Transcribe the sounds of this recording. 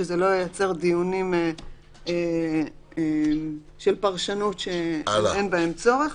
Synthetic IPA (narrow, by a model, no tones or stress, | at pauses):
ezelo̞jejat͡se̞ʁd̪ijunime | e | em | ʃelpaʁʃanut̪ʃeenbaemt͡so̞ʁe̞χ